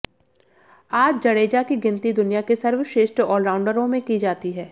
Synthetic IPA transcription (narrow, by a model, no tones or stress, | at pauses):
aːd͡ʒd͡ʒɐɽeːd͡ʒakiɡɪ̃nt̪id̪ʊnijakesɐɾʋəʃeːʃʈɾɔːlɾaːʊ̃ɳɖəɾõmẽkid͡ʒaːt̪iɦɛː